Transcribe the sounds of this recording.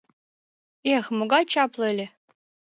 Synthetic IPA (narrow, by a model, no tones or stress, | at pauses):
exmoɡɑt͡ɕɑplˠɤ̆elʲĕ